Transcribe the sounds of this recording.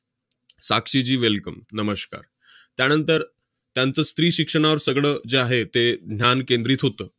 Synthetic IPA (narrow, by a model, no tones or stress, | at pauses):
sakʂid͡ʑiːʋelkəmnəməska̰ɾ | t̪janənt̪əɾ | t̪jant͡səːst̪ɾiːɕikʂəɽ̃aʋəɾsəɡɭəːd͡zeaɦet̪ed̪ʱnʲjankend̪ɾiːt̪ɦot̪əː